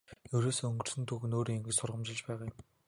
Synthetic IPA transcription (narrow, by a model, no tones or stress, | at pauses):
ɵɾoːsoːɵŋɡɵ̆r̥sɘ̆nt̪ʰuxnoːɾiːŋeŋɡɘ̆t͡ɕsʊrʁə̆mt͡ɕɪ̆ɮt͡ɕpæːʁaːjʊ̆m